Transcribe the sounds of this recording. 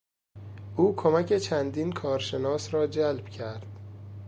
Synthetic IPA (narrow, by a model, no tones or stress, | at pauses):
ʔuːkʰomæcʰe̞t͡ʃʰænd̪iːnkʰɒːɾʃe̞nɒːsɾɒːd͡ʒælb̥cʰæɾd̪̥